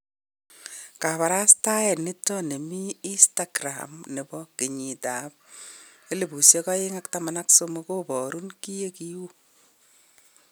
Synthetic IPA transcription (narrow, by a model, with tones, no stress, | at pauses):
ka˨βa˨ɾa˦sta˦ɛ˨ni˦tːɔ˦ne˨miː˦nstaɡɾa̰mne˨bɔke˨ɲi˨ta˨p̚ | e˦le˨bu˨sje˦kɔ˦ɪ˦ŋa˦ktama˨naksomoko˦bɔ˨ɾu˦nki˦je˦ki˦u˦